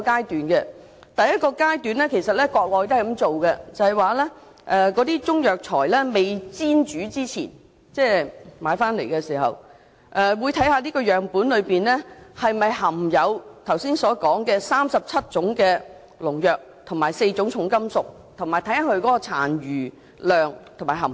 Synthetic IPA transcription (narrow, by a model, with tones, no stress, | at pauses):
kaː˥jt̪yː˨˥nkɛ˧ | t̪ɐ˨jɐ˥t̚kɔː˧kaː˥jt̪yː˨˥nlɛː˥kʰe˨˩jsɐ˨t̚lɛː˥kɔː˧k̚lɔː˨˧jt̪o˥˨jkɐ˨˥mt͡so˨wkɛ˧t͡sɐ˨˧hɐ˨˩jwaː˨lɛ˥ | ʔɛ˨˧kɔː˨˧t̪iː˥t͡sʊ˥ŋjœː˨k̚t͡sʰɔː˨˩jlɛː˥me˨jt͡siː˥nt͡ʃyː˨˥t͡siː˥t͡sʰḭː˨˩n | t͡sɛː˥˩ma̰ː˨˧jfaː˥nle˨˩jkɛ˧siː˨˩ɦɐ̰˨w | ʔɛː˨˩wuː˨˧jt̪ʰɐ˨˥jhaː˧liː˥kɔː˧jœː˨ŋpuː˨˥nlɵ˨˧piː˨nlɛː˥hɐ˨jmɐ˨jɦɐ˨˩mjɐ˨˧wt̪ʰɐ˨˩wsiː˥nsɔː˨˥kɔː˨˥ŋkɛː˧saː˥msɐ˨p̚t͡sʰɐ˥t̚t͡ʃʊ˨˥ŋkɛː˧ | lʊ˨˩ŋjœː˨k̚t̪ʰʊ˨˩maː˨˩jse˧jt͡sʊ˨˥ŋt͡ʃʰʊ˨˥ŋkɐ˥msʊ˨k̚ | t̪ʰʊ˨˩ŋmaː˨˩jt̪ʰɐ˨˥ja˨˥ɦɵ˧ɥkɔː˨˥kɔː˧t͡sʰa̰ː˨˩nɥyː˨˩ | lœː˨˧ŋt̪ʰo˨˩maː˨˩jɦɐ˨˩